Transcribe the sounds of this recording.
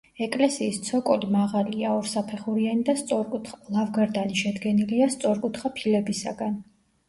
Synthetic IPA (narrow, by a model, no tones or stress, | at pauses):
ɛkʼlɛsiːst̪sʰɔkʼɔlimaʁaliaɔɾsapʰɛχuɾianid̪ast̪sʼɔɾkʼut̪χalˠavɡaɾd̪aniʃɛd̪ɡɛniliast̪sʼɔɾkʼut̪ʰχapʰilɛbisa̰ɡan